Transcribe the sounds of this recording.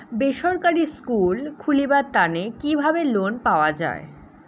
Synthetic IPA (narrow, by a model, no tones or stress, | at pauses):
beʃɔɾkaɾiskulkʰulibaɾt̪anekibʱabelonpaoad͡ʑa̰e